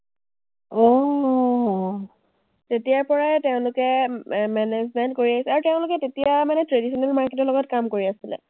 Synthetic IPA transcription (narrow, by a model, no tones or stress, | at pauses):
ɔ | tetijaɹpɔɹaɛteʊ̃lʊkɛmɛnezmɛntkoɹiaɦisɛaɹuteʊ̃lʊkɛtetijamanɛtɹedisʰɔnɛlmaɹketɔlɔɡɔtkamkoɹiasilɛ̰